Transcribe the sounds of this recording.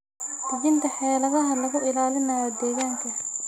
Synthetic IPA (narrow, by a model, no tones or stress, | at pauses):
d̪̥ɪɣɪnt̪ʰɐħɛːlɐðɐɦɐlɐɣʊʔɪlaːlɪmɐjɔd̪ɛːɣaːŋkʰɐ